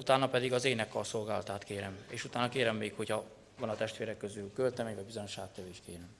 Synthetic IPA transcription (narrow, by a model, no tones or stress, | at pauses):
ut̪aːnːɒpɛd̪iɡɒzeːnɛkːɒso̞lɡaːlɒt̪aːt̪keːɾɛmeːʃut̪aːnɒkeːɾɛmːeːkho̞chɒ | vɒnɒt̪ɛʃt̪ʋeːɾɛkːøzylkølt̪ɛmɛɟvɒɟbizo̞ɲo̞ʃaːt̪ɛveːʃkeːɾɛm